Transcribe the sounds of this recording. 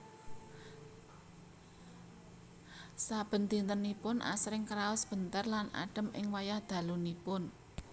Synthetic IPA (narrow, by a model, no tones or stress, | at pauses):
sab̥ə̤nd̪i̤nt̪ənipʊnʔa̰sɾɪŋkɾaʊsb̥ə̤nt̪ərlana̰ɖ̥ə̤mɪ̰ŋwajahd̪̥a̤lunipʊn